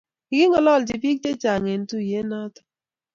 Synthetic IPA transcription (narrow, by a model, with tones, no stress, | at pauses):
ɪ˨ɡɪ˦ŋɔ˦lɔ˦˨ld͡ʒɪ˨pi˦k̚te˦t͡ʃa˨ŋe˨n˦tu˦˨je˦na˦tɔ̥˨